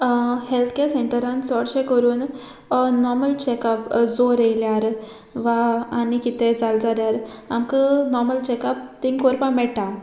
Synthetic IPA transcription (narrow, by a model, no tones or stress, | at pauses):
helt̪ʰkeseɳʈəɾãnsɔɽɕẽkəɾuːn | nɔɾməlt͡ɕekapd͡zoɾejljaɾ | ʋaːñikit̪ed͡zald͡zaljaɾamkənɔɾməlt͡ɕekap̚t̪iŋɡkoɾpãmɛʈa